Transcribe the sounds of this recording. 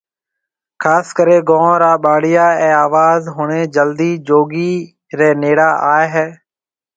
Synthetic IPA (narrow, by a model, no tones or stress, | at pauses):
kʰaːskəɾeːɡõːɾaːɓaːɽɪjaːɛ̃ːaːʋaːzɦʊɳẽːd͡ʒəld̪iːd͡ʒoːɡiː | ɾɛːneːɽaːʔaːeɦɛː